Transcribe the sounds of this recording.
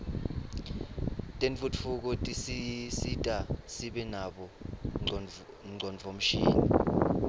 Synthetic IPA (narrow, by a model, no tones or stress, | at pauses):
tʼenfʼut͡ffʰuk̬ɔtʼisisitʼasiɓɛnaɓɔ | ŋ͡ǀʱɔnvʱom̩ʃiːnḭ